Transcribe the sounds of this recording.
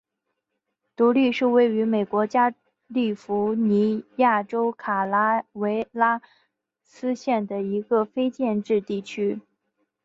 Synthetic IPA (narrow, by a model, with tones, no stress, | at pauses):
t̪u˧˥li˥˧ʂɻ̩˥˧we˥˩ɪy˧˥me˨˩ɪkwɔ˧˥t͡ɕja˥ | li˥˩fu˧˥ni˧˥ja˥˩ʈ͡ʂo˥ʊkʰa˨˩la˥we˧˥ɪla˥ | sɹ̩˥ɕjɛ˥˩nd̪ə˩i˧˥ɡə˧fe˥ɪt͡ɕjɛ˥˧nʈ͡ʂɻ̩˥˧t̪i˥˩t͡ɕʰy˥